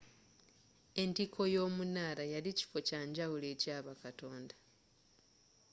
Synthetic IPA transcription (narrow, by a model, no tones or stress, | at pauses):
e̞ntikʰo̞jo̞ːmunaːɾajalici̥fo̞caːɲɟawule̞ːcaːβakato̞ːnda